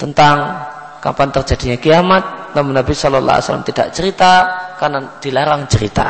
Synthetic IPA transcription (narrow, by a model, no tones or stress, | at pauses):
t̪ənt̪aŋ | ka̰mpant̪ərd͡ʒadiɲakiamat̪̚namuŋnːabisɔlɔlːa̰a̰sa̰la̰mt̪ida̰ʔt͡ʃəɾit̪akarnad̥ilaɾaŋt͡ʃəɾḭt̪a̰